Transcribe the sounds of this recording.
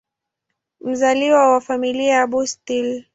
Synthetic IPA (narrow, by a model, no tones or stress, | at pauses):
m̩zaliwawafamiliajaɓustil